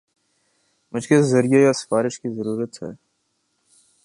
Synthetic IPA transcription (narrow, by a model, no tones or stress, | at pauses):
mʊd͡ʒkezɐɾijajasfaːɾɪʃkizəɾuːɾət̪ɦɛ̰ː